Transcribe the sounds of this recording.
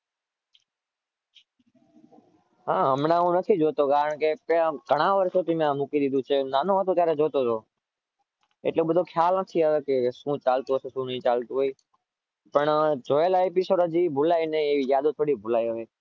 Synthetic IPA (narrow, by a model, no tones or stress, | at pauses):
ɦãːɦəmnãːũːnət̪ʰiːd͡ʒoːt̪oːɠaːəɳ̃keːpːkəɽ̃ãːʋəɾsoːt̪imãmũːkiːɗ̪ɪd̪uːt͡ʃʰeːnaːnõːʋat̪oːt̪jaːɾeːd͡ʒoːt̪oːt̪oː | ḛːʈloːɓəd̪ʱoːkʰjaːlnət̪ʰiːakesũːt͡ʃaːlt̪uːsosũːnĩːt͡ʃaːlt̪uɦoiː | pəɳd͡ʒoːjəlːeːpiːsoːɖəd͡ʒiːbʱʊlaːiːnəĩizjaːd̪oːt̪ʰoːɽiːbʱʊlaːiɦoʋeː